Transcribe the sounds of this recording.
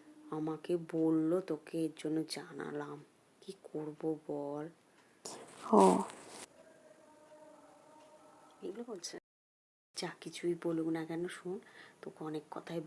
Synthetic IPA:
amakebolːot̪okeeɾd͡ʑonːod͡ʑana̰lam | kikʰoɾbobɔl | hɔ̃ | ebulebolt͡ɕʰe | d͡ʑakit͡ɕʰujboluknakɛnoʃunt̪okeɔnekːɔ̰t̪ʰae

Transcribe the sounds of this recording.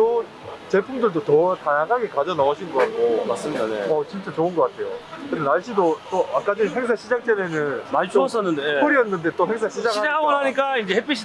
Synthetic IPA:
to | t͡ɕe̞pʰumdɯɭdotʌtajaŋɦaɡekad͡ʑʌnʌːɕʰinɡʌak͈omas͈ɯmidneʌt͡ɕint͡ɕ͈at͡ɕoɯnɡʌk͈atʰe̞jo̰kɯdenaɭɕ͈idot͈oak͈ad͡ʑiɦeŋs̬ʰaɕʰid͡ʑak̚t͡ɕ͈enenɯnmat͡ɕʰos͈ʌnːɯndeɯɾiʌnːɯnde̞t͈oɦe̞ŋsʰaɕʰid͡ʑakaɦaonaɲik͈aind͡ʑehep͈ʰiɕʰi

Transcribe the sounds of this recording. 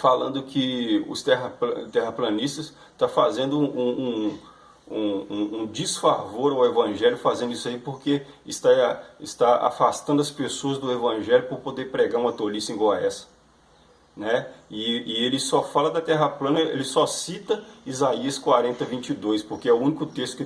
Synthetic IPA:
falɐ̃nd̪ʊkʰɪʊ̰st̪ɛɦɐpt̪ɛɦɐplɐ̃nist̪ɐs | t̪afazẽnd̪ʊũũ | ũũũd͡ʒisfaɾvoɾawevɐ̃ʒɛljʊfazẽnd̪ʊisɐipoɾke | ɪst̪aɪst̪aa̰fast̪ɐ̃nd̪ʊɐspesoɐzd̪ʊevɐ̃ʒɛljʊpʊɾpod̪eɾpɾeɡaɾũmɐt̪olisẽɡoaɛsɐ̥ | nɛɪːelɪsɔfalɐd̪ɐt̪ɛɦɐplɐ̃nɐḛlɪsɔsit̪ɐizaiɐskwaɾẽnt̪ɐvĩnt͡ʃid̪ojspoɾkeɛʊũnikʊt̪est̪ʊkɪ

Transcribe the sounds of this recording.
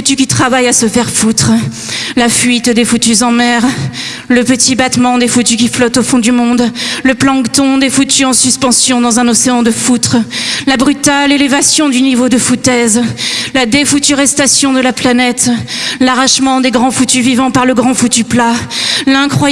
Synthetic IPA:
ut̪ykʲit̪χavajasəfɛʁfut̪χ | lafɥit̪d̪efut̪yzɑ̃mɛʁ | ləpət̪ibat̪mɑ̃d̪efut̪ykʲiflɔt̪ofɔ̃d̪ymɔ̃d̪ləplɑ̃kt̪ɔ̃d̪efut̪yɑ̃syspɑ̃sjɔ̃d̪ɑ̃zɛ̃nɔseɑ̃d̪əfut̪χlabʁyt̪alelevasjɔ̃d̪ynivod̪əfut̪ɛzlad̪efut̪yʁɛst̪asjɔ̃d̪əlaplanɛt̪laʁaʃmɑ̃d̪eɡʁɑ̃fut̪yvivɑ̃paʁləɡʁɑ̃fut̪yplalɛ̃kχwa

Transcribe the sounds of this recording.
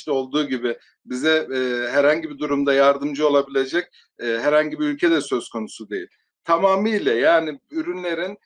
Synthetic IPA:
ɛo̞lˠd̪uːɟibɪ | bizɛːɦæɾhaɲɟibid̪uɾumd̪ajaɾd̪ɯmd͡ʒɯo̞lˠabilʲe̞d͡ʒɛc̚ː | ɦæɾhaɲɟibiylʲcʰed̪ɛsø̞zkʰo̞nusud̪e̞jilʲ | t̪ʰamaːmiːlʲɛjaːnɪyɾynlʲe̞ɾin

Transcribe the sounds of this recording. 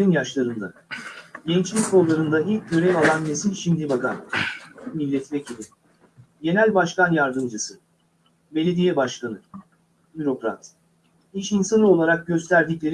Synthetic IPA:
injaʃlˠaɾɯnd̪a̰ | ɟɛnt͡ʃlʲicko̞lˠːaɾɯnd̪aɦiccʰø̞ɾɛvalˠanːe̞sinʲʃimd̪ibaka̰n | milʲːɛt̪vecʰilʲi | ɟe̞nælʲbaʃkanjaɾd̪ɯmd͡ʒɯsɯ | be̞lʲe̞d̪ijɛbaʃkanɯ | biɾo̞kɾa̰t̪ | iʃinsanˠɯo̞lˠaɾak̚ɟø̞st̪ʰæɾd̪iclʲe̞ɾ

